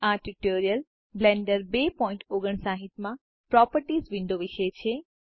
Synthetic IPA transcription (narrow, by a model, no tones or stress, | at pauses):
aʈuʈoːɾijəl | blẽɳɖəɾbepɔːɪ̃ɳʈoɡəɳ̃sãɦɪt̪mã | pɾɔːpəɾʈizʋɪ̃nd̪ʱoʋɪʃəjt͡ʃʰe